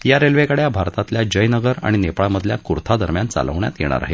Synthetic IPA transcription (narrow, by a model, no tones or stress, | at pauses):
jaɾelʋekəɽjabʱaɾt̪at̪ljad͡ʑəjnəɡəɾa̰ɽ̃inepɭaməd̪ʱljakuɾt̪ʰad̪əɾmjant͡sa̰lə̰ʋɳja̰t̪jeɽ̃a̰ɾa̰ɦe